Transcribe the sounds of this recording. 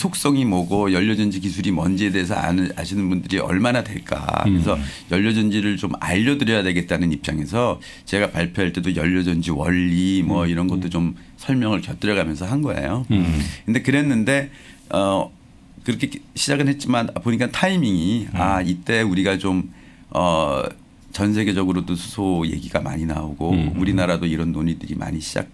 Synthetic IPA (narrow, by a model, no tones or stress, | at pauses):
sʰok̚s͈ʌŋimʌɡojʌʎːʌd͡ʑʌnd͡ʑik̬isʰuɾimʌnd͡ʑiede̞ːsʰʌa̰a̰ɕʰinɯnbundɯɾiʌ̰ɭmanadwe̞̰ɭk͈a̰kɯɾesʰʌjʌʎːʌd͡ʑʌnd͡ʑiɾɯɭt͡ɕoma̰ʎːʌdɯɾjʌjadwe̞ɡet̚t͈anɯnip̚t͡ɕ͈aŋe̞sʰʌ | t͡ɕe̞ɡapaɭpʰjoɦaɭt͈e̞dojʌʎːʌd͡ʑʌnd͡ʑiwʌʎːimwʌiɾʌnɡʌt͈ot͡ɕom | sʰʌɭmjʌŋɯɭkjʌt͈ɯɾjʌɡamjʌnsʰʌɦanɡʌḛjokɯndekɯɾe̞nːɯnde̞ | ʌ | kɯɾʌkʰeɕʰid͡ʑaɡɯnɦet̚t͡ɕ͈imanapoɲik͈antʰaimiŋiait͈e̞uɾiɡat͡ɕom | ʌ̰ | t͡ɕʌnsʰe̞ɡe̞d͡ʑʌɡɯɾodosʰu̥sʰoje̞̰ɡiɡama̰ɲina̰oɡouɾinaɾadoiɾʌnːoɲidɯɾimʔa̰ɲiɕʰid͡ʑa̰k̚